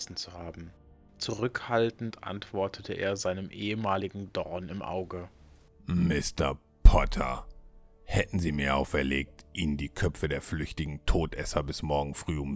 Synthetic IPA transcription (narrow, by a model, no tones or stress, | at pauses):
sn̩t͡suhaːbm̩ | t͡suʁ̞ʏkhaltn̩tʔa̰ntv̥ɔɐtʰətʰəʔḛːɐzaɪnəmʔeːəmaːlɪɡŋ̩dɔʁnɪmʔa̰ʊɡə | mɪstɐ | pʰɔtʰɐ̰ | hɛtn̩ziːmiːɐʔaʊfɛɐleːk̚tʔiːnəndiːkʰœpp͡fədeːɐflʏçtɪɡŋ̩tʰoːtʰʔɛsɐbɪsmɔɐɡŋ̩fʁ̥yːʊm